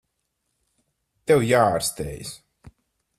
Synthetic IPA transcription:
t̪ɛwjaːaɾst̪ḛːjs

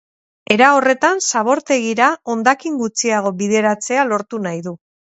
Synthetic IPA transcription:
e̞ɾao̞re̞t̪ansaβo̞ɾt̪e̞ɣiɾao̞nd̪akiŋɡut͡siaɣ̞o̞βiðe̞ɾat͡se̞alo̞ɾt̪unajðu

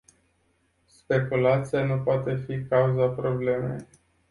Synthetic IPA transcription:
spe̞kulat̪sijanupoat̪e̞fikauzapɾo̞ble̞me̞̰j

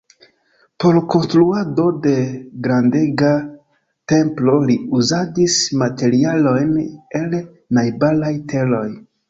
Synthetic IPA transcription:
po̞ɾko̞nst̪ɾuado̞de̞ɡɾande̞ɡa | te̞mplo̞liuzadismate̞ɾialo̞jne̞l | najbalajte̞lo̞j

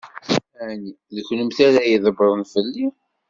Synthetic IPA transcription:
æni | ðəçləmθæɾæjiðˤəbɾˤonfəlːi

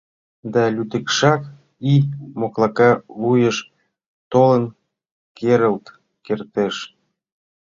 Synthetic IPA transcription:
d̪ɑlʲyt̪ə̆kʃɑk | imoklɑkɑlujəʃ | t̪olən | kʰeɾəlt̪ | kert̪eʃ

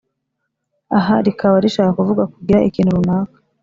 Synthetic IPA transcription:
aɦaɾikawaɾiʃaːkakuvuɡakuɡiɾaʔikiːn̥huɾunaːkḁ

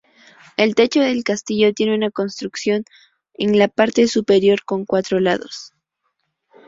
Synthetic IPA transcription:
e̞lt̪e̞t͡ʃo̞ðe̞lkast̪iʝo̞t̪je̞neunako̞nst̪ɾuksjo̞n | eŋlapaɾt̪e̞supe̞ɾjo̞ɾko̞ŋkwat̪ɾo̞laðo̞̰s

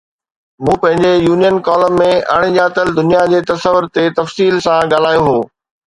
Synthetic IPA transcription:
mũːpɐ̃ɦɪ̃ɲd͡ʑejuːnijənkɔːləːẽa̰ːɽ̃ĩd͡ʑaːt̪əld̪ʊnijad͡ʑeːt̪ɐsəʋʊɾt̪et̪ɐfsiːlsãɠaːl̤aːjoɦoː

